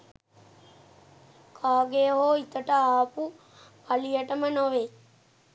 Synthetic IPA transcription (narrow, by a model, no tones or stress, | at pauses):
kʰaːɡejɦoit̪əʈəaːpu | ʋalijəʈəmənoʋe